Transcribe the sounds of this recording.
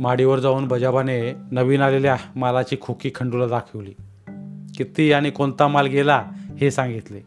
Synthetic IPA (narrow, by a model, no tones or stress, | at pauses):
maɽiʋəɾd͡zauːnbəd͡ʑabanenəʋiːnaleljamalat͡ɕiːkʰokiːkʰəɳɖulad̪akʰəʋliː | kit̪iːaɽ̃ikont̪amalɡelahesãŋɡit̪le